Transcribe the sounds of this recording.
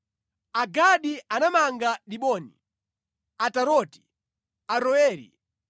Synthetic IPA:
aɡaɗiʔanamaŋɡaɗiɓɔːni | ataɾɔti̥ | aɾɔɛːɾḭ

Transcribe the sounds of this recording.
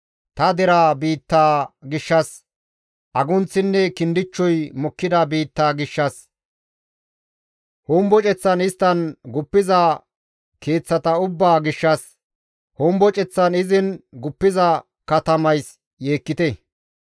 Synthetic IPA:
t̪ɐd̪ɛɾaːbiːt̪ːaːɡɪʃːɐs | ʔɐɡʊnt͡sːɪnːɛkɪnd̪ɪt͡ʃːɔjmɔkːɪd̪ɐbiːt̪ːaːɡɪʃːɐs | hoːmbɔt͡ʃʼɛt͡sːɐnɪst̪ːɐnɡʊpːɪzɐ | ke̞ːt͡sːɐt̪ɐʊbːaːɡɪʃːɐs | hoːmbɔt͡ʃʼɛt͡sːɐnɪzɪnɡʊpːɪzɐ | kɐt̪ɐmɐjs | je̞ːkːɪt̪ɛ

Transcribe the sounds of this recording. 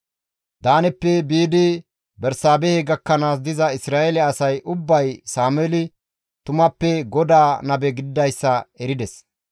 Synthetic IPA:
d̪aːnɛpːɛbiːd̪ɪ | bɛɾsaːbɛheɡɐkːɐnaːs̬d̪ɪzɐɪsɾaːʔɛlɛɐsɐjʔʊbːɐjsaːmɛlɪ | t̪ʊmɐpːɛɡɔd̪aːnɐbɛɡɪd̪ːɐjsːɐɛɾɪd̪ɛs

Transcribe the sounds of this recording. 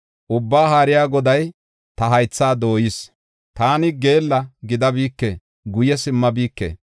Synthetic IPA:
ʔʊbːaːɦaːɾɪjaːɡɔd̪ɐj | t̪ɐɦɐjt͡sːaːd̪o̞ːjɪs | t̪aːnɪɡe̞ːlːɐɡɪd̪ɐbiːkːḛ | ɡʊjɛsɪmːɐbiːkːḛː

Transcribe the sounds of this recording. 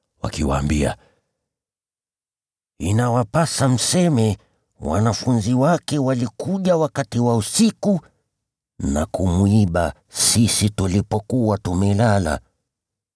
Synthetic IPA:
wa̰kiwa̰ːmbia̰ | inawapasam̩sɛmɛ | wa̰nafunziwakɛwalikuʄawakatiwausiku | na̰kumuiɓa | sisitulipɔkuwatumɛlala̰

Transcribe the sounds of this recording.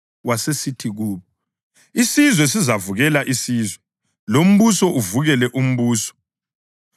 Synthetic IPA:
wasesitʰiɣuːβɔ | isizwɛs̬izavuɣɛlaʔisiːzwɛ | lom̩βusɔʔuvuɣɛlɛʔum̩βuːsɔ̥

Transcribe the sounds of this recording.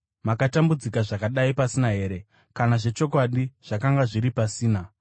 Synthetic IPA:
makatambud͡zikaʐakaɗaipasinaɦe̞ːɾe̞ | kanaʐe̞t͡ʃo̞kwaɗiʐ̥akaŋɡaʐiɾipasiːna

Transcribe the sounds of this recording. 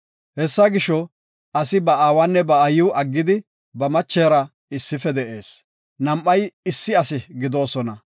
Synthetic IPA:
hɛsːɐɡɪʃɔ | ʔɐsɪbɐaːwanːɛbɐɐjɪwʔɐɡːɪd̪ɪ | bɐmɐt͡ʃːeːɾɐ | ɪsːɪfɛd̪ɛʔe̞ːs | nɐmʔːɐjɪsːɪɐsɪɡɪd̪o̞ːsɔnɐ

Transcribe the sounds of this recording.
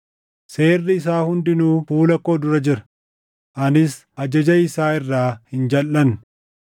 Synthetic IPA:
se̞ːrːɪɪs̬aːhʊnd̪ɪnuːfuːlɐkːo̞ːd̪ʊɾɐd͡ʒɪɾɐ̥ | ʔɐnɪs | ɐd͡ʒɐd͡ʒɐɪsaːɪrːaːhɪnd͡ʒɐlːɐn

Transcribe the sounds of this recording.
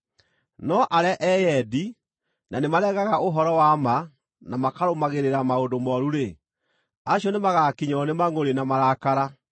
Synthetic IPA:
nɔʔaɾɛʔɛjɛdi | nanemaɾɛɣaɣaʔoɦɔɾɔwama | namakaɾomaɣeɾeɾamaodomɔɾuɾe | aɕiɔnemaɣakiɲɔnemaŋoɾenamaɾaːkaɾa

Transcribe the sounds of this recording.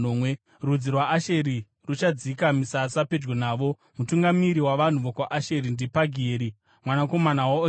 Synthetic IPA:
omwe | rud͡zirwaːʃe̞ɾi | rut͡ʃad͡zikamisasape̞d͡ʒɡonaːʋo̞ | mutuŋɡamiɾiwaʋan̤uʋokwaʔaʃeɾindipaɡʱeːɾi | mwanako̞manawa

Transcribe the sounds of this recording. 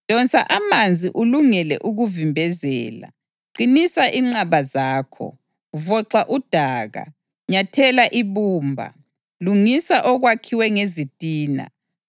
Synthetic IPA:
d̥ʱɔnt͡sʰʼaʔamand͡zʱiʔuluŋɛlɛ̰ʔuɣuvimbʱɛzɛ̰ːla̰ | ǃinisaʔiŋ͡ǁaβazaːkʰɔ̰ | vɔǀaʔud̥ʱaːɣa̰ | ɲatʰɛlaʔiβuːmbʱa̰ | luŋisaʔɔɣwakʰiwɛŋezitʼiːna̰

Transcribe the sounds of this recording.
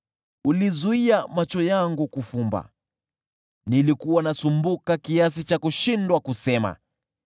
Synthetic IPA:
ulizuiamat͡ʃɔjaŋɡukufumba̰ | nilikuwanasumbukakiasit͡ʃakuʃindwakusɛma̰

